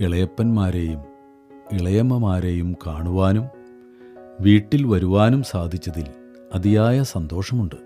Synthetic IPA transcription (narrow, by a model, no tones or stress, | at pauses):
iɭɐjɐpːɐnmaːɾejum | iɭɐjɐmːɐmaːɾe̞jumkaːɳuʋaːnum | ʋiːʈːilʋɐɾuʋaːnumsaːd̪ʱit͡ɕːɐðil | ɐd̪ijaːjɐsɐnd̪o̞ːʂɐmuɳɖɨ